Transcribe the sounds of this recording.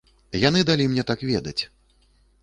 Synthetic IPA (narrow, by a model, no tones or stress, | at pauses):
jan̪ɨd̪alʲimnʲɛt̪akvʲɛd̪ɐt͡sʲ